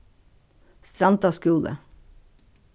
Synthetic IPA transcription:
st̪ɾɑnt̪ɑskuːlə̰

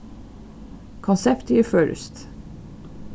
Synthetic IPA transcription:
kʰɔnsɛpt̪jəføːɾə̰st̪

